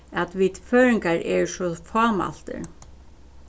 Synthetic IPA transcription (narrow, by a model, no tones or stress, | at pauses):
æt̪ʋit̪føːɾɪŋkaɹɛɹsɔfɔːma̰l̥t̪ə̰